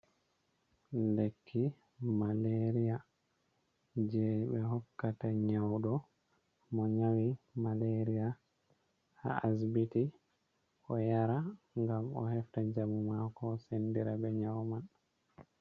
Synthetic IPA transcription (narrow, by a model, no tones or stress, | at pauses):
lekʰːi | maleɾia | d͡ʒɛbɛɦɔkːataɲawɗɔ | mɔɲawimaleɾija | ha̰asbiti | ʔɔjaɾa | ŋɡamɔ̰hɛftad͡ʒamumakɔsendiɾabɛɲawman